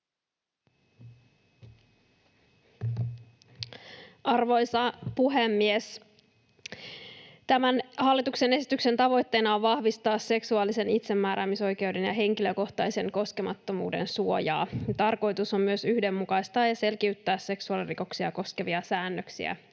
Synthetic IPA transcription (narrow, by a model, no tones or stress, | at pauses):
ʔɑrʋo̞jsɑpuɦemːies | t̪æmænhɑlːit̪ukse̞ne̞si̥t̪ykse̞nt̪ɑʋo̞jt̪ːe̞ːnɑoʋʋɑhʋist̪ɑːsːe̞ksuɑːlise̞nit̪se̞mːæːɾæːmiso̞jk̟e̞wde̞njɑɦe̞ŋkilø̞ko̞ht̪ɑjse̞ŋko̞ske̞mɑt̪ːo̞mṵːde̞̰nsuo̞jɑ̰ːjɑt̪ɑrko̞jt̪uso̞mmyø̞syhde̞mːukɑjst̪ɑːjɑse̞lkiyt̪ːæːsːe̞ksuɑliriko̞ksiɑko̞ske̞ʋiɑsæːnːøksḭæ̰